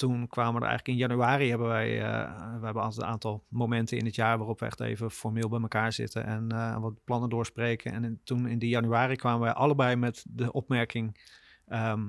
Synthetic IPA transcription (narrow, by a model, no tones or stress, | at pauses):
tunkʰʋaːməʋədə̰ʔɛ̰jɣələkɪnjanyaːriɦɛbənʋɛjʋəɦɛbənɔ̰lˠtɛtə̰naːntɑlˠmomɛntʰəɪ̰nətjaːɹʋaːrɔpʋəɛ̰xtḛːvəfɔɹmɪːlˠbɛjməkaːɹz̥ɪ̰tʰə̰nʔɛ̰nnʋɔplɑnədʊːɹspreːkʰənɛ̰ntunɪndijanyaːrikʰʋaːməʋɛjʔɑlˠəbɛjmɛtdəʔɔpmɛɹkʰɪŋ | ə